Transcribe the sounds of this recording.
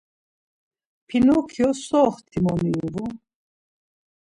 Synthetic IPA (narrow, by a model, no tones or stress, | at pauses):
pʰinɔkʰiɔsɔːχt̪ʰimɔmiuvu